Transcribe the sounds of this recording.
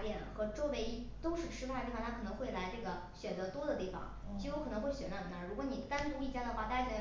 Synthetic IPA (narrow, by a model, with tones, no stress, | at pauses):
pjɛ˥˩nxɤ˧˥ʈ͡ʂɔ˥we˧˥ɪi˥ | t̪o˥ʊʂɻ̩˥˩ʈ͡ʂʰɻ̩˥a˥˩ə˧t̪i˥˩ɑ̃˧nʰa˥kʰɤ˨˩nɤ˧˥ŋxwe˥˩ɪla˧˥ɪʈ͡ʂɤ˥˩ɡə˩ | ɕɥɛ˨˩nt͡sɤ˧˥t̪wɔ˥d̪ə˨t̪i˥˩fɑ̰˨˩ŋ | t͡ɕi˥ju˧˥kʰɤ˨˩nɤ˧˥ŋxwe˥˩ɕɥɛ˨˩na˥˩ə˨˩na˥˧˩ɻu˧˥kwɔ˧˥ni˨˩t̪a˥nt̪u˥i˥˩t͡ɕja˥˩d̪ə˩xwa˥˧t̪a˥˩a˥kʰn˧˥